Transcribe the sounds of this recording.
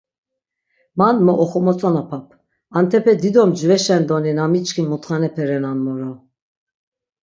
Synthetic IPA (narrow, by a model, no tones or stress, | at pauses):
manmɔʔɔχɔmɔt͡sʼɔnapʰapʰ | ant̪ʰɛpʰɛd̪id̪ɔmd͡ʒvɛʃɛnd̪ɔninamit͡ʃkʰimɔt̪χanɛpʰɛɾɛnanmɔɾɔ